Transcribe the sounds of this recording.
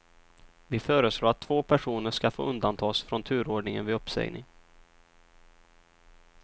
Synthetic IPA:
vɪfœːɾəsloːɾat̪ʰːvoːpʰæʂuːnəʂkafo̰ːɵnd̪ant̪ʰɑːsfɾɔnt̪ʰʉ̟ːɾoːɖɳɪŋə̰nvɪɵpːsɛ̰ɡnɪ̰ŋ

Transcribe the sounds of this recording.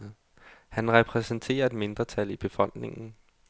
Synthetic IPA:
hænʁɛpʰʁɛsən̩t͡sʰe̝̰ːɐe̝d̥me̝nd̥ʁɐt͡sʰælib̥e̝fɒ̽l̰d̥ne̝ŋn̩

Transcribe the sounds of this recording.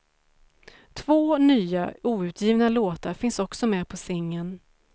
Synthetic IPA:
t̪ʰv̥oːnyːa̰uːʉ̟ːt̪ʰjiːvnaloːt̪aɾfɪnsɔksɔmɛːpʰɔsɪŋːən

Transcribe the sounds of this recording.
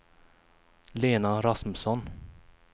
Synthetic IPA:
leːnaɾasmsɔn

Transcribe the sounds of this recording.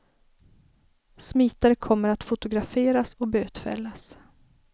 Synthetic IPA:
smiːt̪aɾəkʰɔmːəɾat̪fʊt̪ʊɡɾafeːɾasɔbøːt̪fɛ̰lːas

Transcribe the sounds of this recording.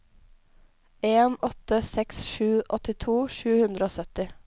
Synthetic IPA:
eːnɔt̪əsɛksʃʉːʔɔt̪ɪt̪ʰuːʃʉːhʉnd̪ɾəoːsœt̪ɪ

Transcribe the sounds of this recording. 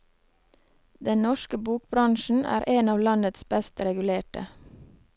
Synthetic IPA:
d̪ɛnnɔʃkəbuːk̚bɾɑŋʃn̩æ̰ːɾʔeːnɑːʋlɑnət̪sbɛst̪ɾɛɡʉleːʈə̰

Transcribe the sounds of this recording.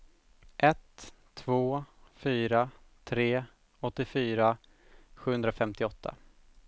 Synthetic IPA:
ʔɛt̪ʰː | voːfyːɾat̪ʰɾeː | ɔt̪ːɪfyːɾa | ɧʉːɵnd̪ɾafɛmt̪ɪɔt̪ʰːa̰

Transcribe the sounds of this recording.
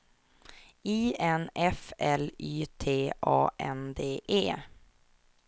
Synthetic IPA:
iːɛnɛfɛlyːt̪ʰeːʔɑ̰ːʔɛ̰nd̪eːʔeː

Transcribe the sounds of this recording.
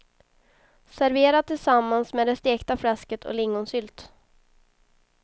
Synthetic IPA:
sæɾveːɾatt̪ʰːɪlsamːansmeːd̪ɛst̪eːkt̪aflɛskət̪ʰɔ̰lɪŋːʊnsʏːlt̪

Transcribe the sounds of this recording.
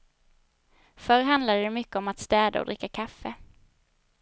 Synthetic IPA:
fœɾɦand̪lad̪əd̪ɛmʏkːəɔmat̪st̪ɛːd̪a̰ɔ̰d̪ɾɪkːakʰafːə

